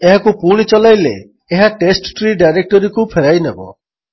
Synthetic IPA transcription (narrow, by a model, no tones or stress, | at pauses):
eɦakupuɽ̃it͡ʃɔlajleː | ɦaʈesʈʈɾiɖajɾek̚ʈɔɾikupʰeɾajnebɔ̰